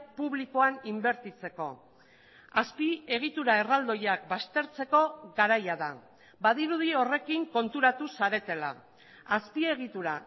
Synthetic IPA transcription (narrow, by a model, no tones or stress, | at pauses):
puβlikoanimbe̞ɾt̪it͡se̞ko̞̰ | aspie̞ɣ̞it̪uɾae̞rald̪o̞jak̚bast̪e̞ɾt͡se̞ko̞ɣaɾajaða | baðiɾuðio̞re̞kiŋko̞nt̪uɾat̪usaɾe̞t̪e̞la̰ː | spie̞ɣ̞it̪uɾa